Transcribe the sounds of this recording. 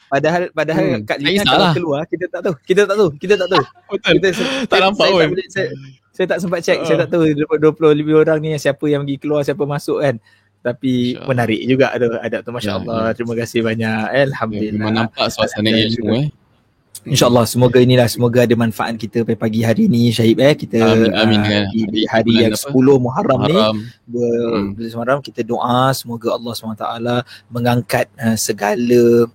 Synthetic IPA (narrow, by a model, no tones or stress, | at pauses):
padaɦalpadaɦalkaʔliaaalakəluarkit̪ət̪aʔt̪aukit̪ət̪aʔt̪aukit̪̬ət̪aʔt̪au | bət̪kit̪ət̪anampablesaj | sajət̪aʔsəmpat̪̚t͡ʃɛksaajət̪aʔt̪audɾəpəduəplʊhlibəoɾaŋniasiapəjaŋmaɡikəluarsiap̬əmasʊʔkan | t̪apimənaɾɪʔd͡ʒuɡa̰ʔt̪uha̰dap̚t̪umaʃa̰ʔə̰lːɑht̪ɾiməkasɪhbaɲaʔəalhamd̪ulilːanapasa | inʃaəlˠːɑhsəmoɡainilahsəmoɡaadəmanfaʔa̰t̪̚kit̪əpaipaɡiɦaɾiːniʃaɪp̚ɛkit̪əmiihaɾijaŋsə̥pulʊhmuɦaɾamnidədut̪smaɾamkit̪ədoʔasəmoɡaɑlːɑhsubanat̪a̰ʔalaməŋaŋkat̪̚əsəɡalə